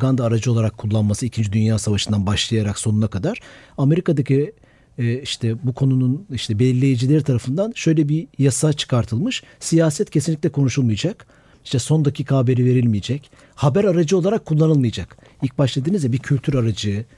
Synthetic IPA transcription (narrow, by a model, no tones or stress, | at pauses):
ɡand̪aːɾad͡ʒɯo̞lˠaɾakʰːulˠːanmasɯicʰind͡ʒid̪ynjaːsavaʃɯnd̪anbaʃlˠajaɾakso̞nunakad̪aɾ̥ame̞ɾikad̪acʰi | iʃt̪ʰɛbukʰo̞nununiʃt̪ʰɛbɛlʲːe̞jid͡ʒilʲeɾit̪ʰaɾafɯnd̪anʃø̞jlʲɛbijasat͡ʃʰɯ̥kʰaɾt̪ʰɯlˠmɯʃsijaːsɛt̪cʰesinlʲic̪ʲlʲɛkʰo̞nuʃulˠmɯjad͡ʒak | i̥ʃt̪ɛso̞nd̪ocʰikʰaːbe̞ɾive̞ɾilʲmijed͡ʒɛc | habæɾaɾad͡ʒɯo̞lˠaɾakʰːulˠːanɯlˠmɯjad͡ʒak | ilʲc̚baʃlˠad̪ɯːnɯzjɛbiɾcʰylʲt̪ʰyɾaɾad͡ʒɯ